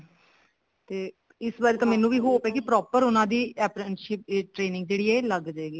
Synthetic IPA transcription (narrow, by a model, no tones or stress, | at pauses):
t̪eː | ɪsbaːɾet̪ãːmɛːnũːʋiːɦoːpɛːkɪpɾɔːpəɾʊnãːd̪iːɛːpɾənʃɪp̚ːʈɾeːnɪ̃ŋɡ̚d͡ʒeːɽiːɛːləɡd͡ʒaeːɡiː